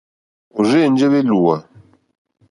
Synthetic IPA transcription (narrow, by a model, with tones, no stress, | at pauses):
u˨ze˦˨n˦d͡ʒe˦βe˦lu˨a˨